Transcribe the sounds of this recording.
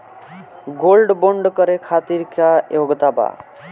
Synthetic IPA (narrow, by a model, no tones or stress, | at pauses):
ɡolɖboɳɖkəɾekʰat̪iɾkajoɡt̪aba̰